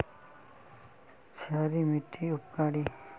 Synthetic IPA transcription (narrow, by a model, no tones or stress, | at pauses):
t͡ʃʰaːɾimiʈ̪ʰːiʊp̚kaːɽi